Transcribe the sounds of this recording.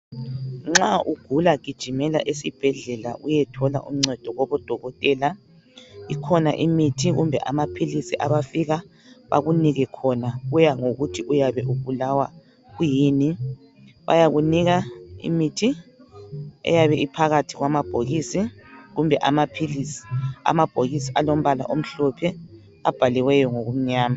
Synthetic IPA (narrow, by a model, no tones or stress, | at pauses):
ŋ͡ǁaʔuɡ̥ʱulakid̥ʒ̥ʱimɛla̰ʔesib̥ʱɛɮɛla̰ʔujɛtʰɔla̰ʔṵm̩ŋ͡ǀɛd̥ʱɔɣɔβɔd̥ʱɔɣɔtʼɛːla | ikʰɔna̰ʔimitʰiɣṵmbʱɛʔamapʰilisiʔaβafiɣa | βa̰ɣuniɣɛkʰɔnaɣujaŋoɣutʰiʔujaβɛʔuβulawa | ɣujiːni | βa̰jaɣuniɣaḭmitʰi | ɛ̰jaβɛʔipʰaɣatʰiɣwamab̥ʱoɣisiɣumbʱɛʔamapʰilisi̥a̰mab̥ʱoɣisialom̩βala̰ʔom̩ɬɔpʰɛ | a̰b̥ʱaliwɛjɔŋoɣum̩ɲaːma